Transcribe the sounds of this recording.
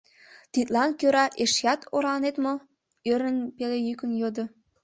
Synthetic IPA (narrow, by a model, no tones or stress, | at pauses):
t̪it̪lɑnkøɾɑʔeʃjɑt̪ʰoɾɑnet̪mo | øɾənpelejykə̆njod̪ŏ